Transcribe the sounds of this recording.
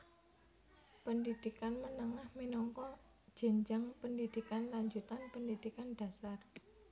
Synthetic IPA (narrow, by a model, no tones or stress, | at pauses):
pəndid̪̥i̤kanmənəŋahminɔŋkɔ | d̥ʒ̥ə̤ɲd͡ʒaŋpəndid̪̥i̤kanlaɲd͡ʒut̪anpəndid̪̥ikanɖ̥a̤sar